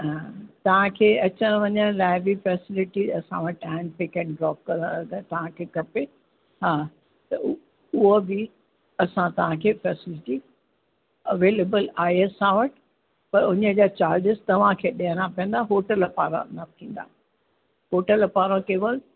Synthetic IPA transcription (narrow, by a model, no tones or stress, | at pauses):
ɦat̪ɐʋ̤ãkʰeːɐt͡ɕəñʋɐɲəɽ̃laːɪbʱifɛːsɪlɪʈiɐsã̰ʋɐʈɛ̃npekɛ̃ɳɖɾɔːp̚kɐ̃ɾaɡt̪ɐʋ̤ãkʰeːkɐpe | ɦaː | t̪ɐ | ʊɦobi | ɐsãt̪ɐʋ̤ãkʰeːfɛːsɪlɪʈi | ɐʋeːleːbəlaːɦeɐsãʋɐʈ | pɐɾʊɲəd͡ʑaːt͡ɕaːɾd͡ʑɪzt̪ɐʋ̤ãkʰeːɗiɦənãpiə̃nd̪aɦoːʈəlɐpaːɾã̰nɐt̪ʰĩːn̆d̪a̰ː | ɦoːʈəlɐpaːɾõkeːʋəl